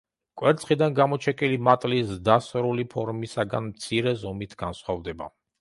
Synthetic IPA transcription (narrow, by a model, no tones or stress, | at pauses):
kʼwɛɾt̪sʰχid̪anɡamɔt͡ʃʰɛkʼilimat̪ʼlisd̪asɾulipʰɔɾmisaɡa̰nmt̪sʰiɾɛzɔmit̪ʰɡ̥ansχwavd̪ɛba̰